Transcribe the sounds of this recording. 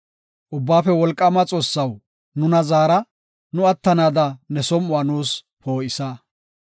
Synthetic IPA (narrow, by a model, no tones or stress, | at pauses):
ʔʊbːaːfɛwɔlkʼːɐmɐt͡sʼo̞ːsːɐw | nʊnɐzaːɾɐ | nʊɐt̪ːɐnaːd̪ɐnɛsɔmʊaːnuːs | po̞ːʔɪsɐ